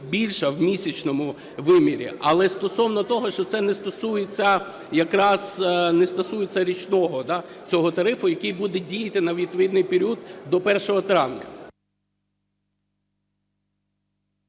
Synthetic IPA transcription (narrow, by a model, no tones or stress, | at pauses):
bʲilʲʃɐwmʲisʲɐt͡ʃnɔmʊ | ʋɪmʲiɾʲḭʔɐlˠɛst̪ɔsɔwnɔt̪ɔɦɔʃt͡ʃɔt̪sɛnɛst̪ɔsujet͡sʲːɐ | jɐkɾɑznɛst̪ɔsujet͡sʲːɐɾʲit͡ʃnɔɦɔd̪ɑt͡sʲɔɦɔt̪ɐɾɪfʊjɐkɪjbud̪ɛdʲijɐt̪ɪnɐʋʲit̪pʋʲɪd̪nɪjpeɾʲiud̪d̪ɔpɛrʃɔɦɔt̪ɾɑʋnʲɐ̰